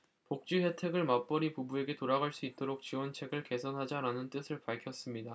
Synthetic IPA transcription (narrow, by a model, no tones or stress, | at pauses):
pok̚t͡ɕ͈uɦetʰe̞ɡɯɭmap͈ʌɾipubue̞ɡe̞toɾaɡaɭs͈uit̚t͈oɾok̚t͡ɕiwʌnt͡ɕʰe̞ɡɯɭke̞sʰʌnɦad͡ʑaɾanɯnt͈ɯsʰɯɭpaɭkʰjʌs͈ɯmɲida